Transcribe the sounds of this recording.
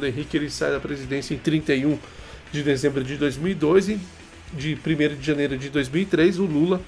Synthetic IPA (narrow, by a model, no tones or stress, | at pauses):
d̪ẽɦikɪelɪsajd̪ɐpɾezid̪ẽsjɐẽt̪ɾĩnt̪ejũ | d͡ʒɪd̪ezẽmbɾʊd͡ʒɪd̪ojzmiwid̪ozɪ | d͡ʒɪpɾimejɾʊd͡ʒɪʒɐ̃nejɾʊd͡ʒɪd̪ojzmiwit̪ɾezʊlulɐ